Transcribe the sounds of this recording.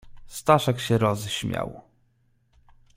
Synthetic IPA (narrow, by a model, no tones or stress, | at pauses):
st̪aʂakɕɛɾɔzɕmʲja̰w